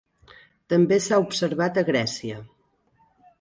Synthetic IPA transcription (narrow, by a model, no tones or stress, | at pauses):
t̪əmbesaupsəɾβat̪əɣɾɛsiə